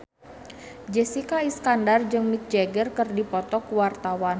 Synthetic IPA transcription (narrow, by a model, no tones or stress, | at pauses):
d͡ʒɛsikaiskandard͡ʒɨŋmit̪̚d͡ʒɛɡərkɨrdipɔt̪ɔkuwart̪awan